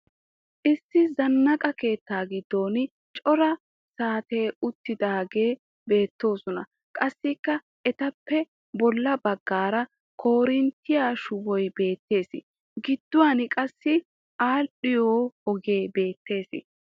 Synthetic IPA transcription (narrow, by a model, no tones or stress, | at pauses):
ʔɪsːɪzɐnːɐkʼɐke̞ːt̪ːaːɡɪd̪ːo̞ːn | t͡ʃʼɔɾɐ | saːt̪e̞ːʊt̪ːɪd̪aːɡe̞ː | be̞ːt̪ːo̞ːsɔnɐ | kʼɐsːɪkːɐ | ɛt̪ɐpːɛ | bɔlːɐbɐɡːaːɾɐ | kʰo̞ːɾɪnt̪ːɪjaːʃʊwɔjbe̞ːt̪ːe̞ːsɪ̰ | ɡɪd̪̥ːʊwaːnɪkʼɐsːɪ | ʔaːlɗɪjoːhɔɡe̞ːbe̞ːt̪ːe̞ːsɪ̰